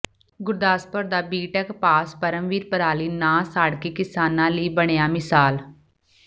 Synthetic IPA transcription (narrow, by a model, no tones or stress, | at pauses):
ɡʊɾd̪aːspəɾd̪aːbiːʈɛkpaːspəɾəmʋiːɾpəɾaːliːnãːsaːɽkeːkɪsaːnãːliːbəɽ̃ejaːmɪsaːl